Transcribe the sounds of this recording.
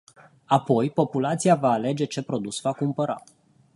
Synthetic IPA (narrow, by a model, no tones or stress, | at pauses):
apo̞jpo̞pulat̪sijavaːle̞d͡ʒe̞t͡ʃe̞pɾo̞d̪usvakumpəɾa̰